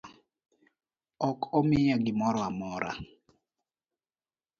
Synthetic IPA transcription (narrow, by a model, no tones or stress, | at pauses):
ɔkɔmɪjaɡɪmɔɾɔamɔɾa̰